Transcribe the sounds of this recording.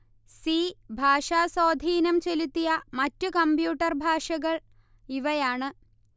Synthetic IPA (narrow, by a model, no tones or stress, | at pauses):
siːbʱaːʂaːsoːd̪ʱiːnɐmt͡ɕelut̪ːijɐmɐtːukɐmpjuːʈːɐrbʱaːʂɐɣɐɭ | iʋɐjaːɳɨ